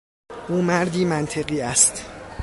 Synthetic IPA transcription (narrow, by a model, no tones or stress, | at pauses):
ʔuːmæɾd̪iːmænt̪ʰe̞ɣiːæst̪